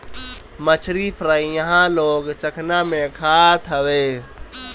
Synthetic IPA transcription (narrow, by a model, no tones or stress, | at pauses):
mət͡ʃʰɾipʰɾaijəɦãloːɡt͡ʃəkʰnamẽkʰat̪ʰəʋe